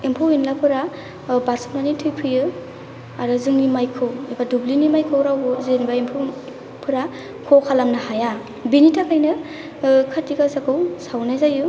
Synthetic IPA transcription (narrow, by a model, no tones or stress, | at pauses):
empʰowinlapʰɯɾa | baɾsu̥p̚nanitʰɯjpʰɯjɯ | aɾɯzɯŋnimajkʰɯwebadublinimajkʰɯwɾawɯzɯnibaempʰow | pʰɯɾa | kʰokʰalamnahaja | binitʰakʰajnɯ | kʰaɾtikasakʰɯwsawnazajɯ